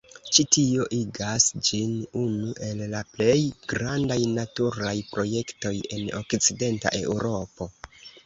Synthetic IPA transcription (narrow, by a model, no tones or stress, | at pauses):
t͡ʃitio̞ʔiɡasd͡ʒinunuʔe̞lːaple̞jɡ̥ɾandajnatuɾajpɾo̞je̞kto̞je̞no̞̰kt͡side̞nta̰ʔe̞uɾo̞po̞